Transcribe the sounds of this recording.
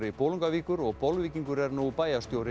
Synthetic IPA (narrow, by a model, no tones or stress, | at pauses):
ɾɪpʰoːwluŋkaviːkʏɾɔɣpɔwlviːciŋkʏɾɛɾnuɣpaːjast̪jowɾɪ